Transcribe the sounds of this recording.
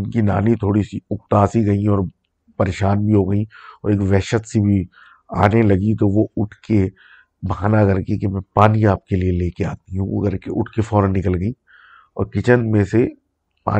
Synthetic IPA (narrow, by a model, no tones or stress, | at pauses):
ʊnkina̰ːnit̪ʰoːɽisiʊkt̪aːsiɡɐiɔːɾ | pɐɾeːʃaːnbʱiɦoɡəiɔːɾeːkʋɛːʃət̪sebʱi | a̰ːnelɐɡit̪oʋoʊʈʰke | bɐɦaːnakɐɾkekemɛ̃ːpaːniaːp̚kelieleːkea̰ːt̪iɦṵ̃ɡəɾkeʔʊʈʰkefɔːɾə̃nːɪkəlɡəi | ɔ̰ːɾkɪt͡ʃənd̪mẽse | pa̰ː